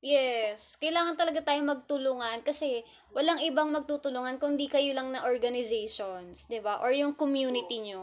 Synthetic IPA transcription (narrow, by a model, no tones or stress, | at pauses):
jɛskɐjlaːŋɐnt̪ɐlɐɡat̪aːjomɐɡ̚t̪ʊluːŋɐnkɐsɛ | wɐlaŋʔɪbaŋmɐɡ̚t̪ut̪ʊluːŋɐnkʊŋd̪ikɐjolɐŋnɐʔoɹɡɐnɪzɛjʃonsd̪ɪbaʔoɹjʊŋkomjuːnɪt̪iɲo